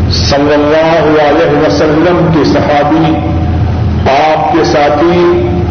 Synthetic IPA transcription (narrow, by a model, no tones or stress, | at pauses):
sɐlːɐlːaːɦ | ɐlɛːɦʋɐsɐlːəmkesɐhaːbi | aːp̚kesaːt̪ʰi